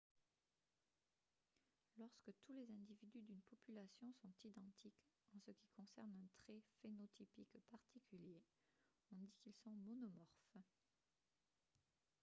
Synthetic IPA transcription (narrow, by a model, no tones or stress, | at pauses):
lɔʁskət̪ulezɛ̃d̪ivid̪yd̪ynpɔpylasjɔ̃sɔ̃t̪id̪ɑ̃t̪ʰik | ɑ̃səkʲikɔ̃sɛʁnɛ̃t̪χɛfenɔt̪ʰipikpaʁt̪ikʰʲylje | ɔ̃d̪ikilsɔ̃mɔnɔmɔʁf